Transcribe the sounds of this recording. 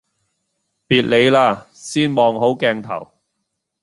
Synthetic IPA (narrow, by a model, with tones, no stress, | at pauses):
piː˨˧t̚le˨˧jlaː˧ | siː˥nmɔː˨ŋɦo˨˥wkɛː˧ŋt̪ʰɐ̰˨˩w